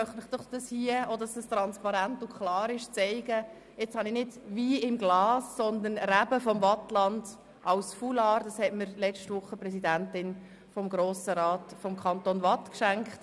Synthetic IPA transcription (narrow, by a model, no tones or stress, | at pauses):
mœχtmɪχd̥ɔχd̥ɑshiəodɑsəst̪ɾɑnspɑɾæntʊkʰχlɑːɾɪʃt͡sɛɪɡ̥ə | ɪt͡shɑnɪnɪdviːɪmɡlɑːsːɔnd̪ənɾæbəfɔmvɑtlɑnd | ʔɑwsfulɑːɾdɑshɛtməɾlɛt͡ʃtvʊχːəprɛsidæntɪn | fɔmɡɾoːsəɾɑːtfɔmkʰɑnt̪onvɑtkʃæŋkχt